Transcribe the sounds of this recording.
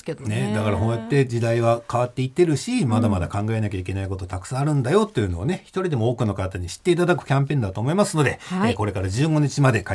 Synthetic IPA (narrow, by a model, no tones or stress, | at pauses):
ned̪akaɾaɦõ̞jat̪ːe̞d͡ʑid̪aiβakaβat̪ːe̞it̪ːeɾɯ̟ɕimad̪amad̪akãŋɡae̞nakʲaikʲe̞naiko̞t̪o̞t̪akɯ̟̥sãaɾɯ̟̃nd̪ajo̞t̪ːejɯ̟no̞ane̞çi̥t̪o̞ɾʲid̪e̞mo̞oːkɯ̟no̞kat̪aɲ̟iɕi̥t̪ːe̞it̪ad̪akɯ̟̥kʲãmpẽ̞nd̪at̪o̞ːmo̞imasɨno̞d̪e̞ko̞ɾe̞kaɾad͡ʑɨːɡo̞ɲ̟it͡ɕimad̪e̞ka